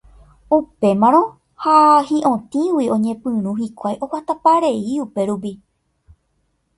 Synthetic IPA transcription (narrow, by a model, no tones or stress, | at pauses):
upe̞mãɾ̃õ̞ | hahĩʔõ̞t̪ĩwiõ̞ɲẽ̞pɨ̃ɾ̃ũɦikʷajʔo̞wat̪apaɾe̞iupe̞ɾup̬i